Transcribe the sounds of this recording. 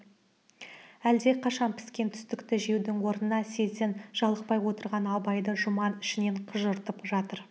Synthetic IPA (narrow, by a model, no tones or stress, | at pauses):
æld̪e̞qʰɑʃɑnpʰɪ̥skʲe̞nt̪ʰʏ̥st̪ɪkt̪ɪʒe̞wd̪ɪŋwo̞ɾnənɑse̞zɪnʒ̥ɑlˠəq̚pɑjwo̞t̪əɾʁɑnɑbɑjd̪əʒʊmɑnʏʃɪne̞ɴqʰəʒəɾt̪əpʒɑt̪əɾ